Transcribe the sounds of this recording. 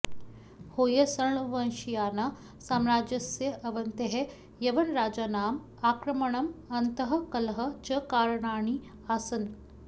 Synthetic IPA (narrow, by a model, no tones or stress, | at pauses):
hoːjɐsɐɾɳuʋɐnʃijaːna | saːmɾaːd͡ʒɐsjɐʔɐʋɐnt̪eɦe | jɐʋɐnɾaːd͡ʒaːnaːm | aːkɾɐmɐɳɐmɐnt̪ɐɦɐ̆kɐlɦɐt͡ʃɐkaːɾɳaːɳ̃i | asɐn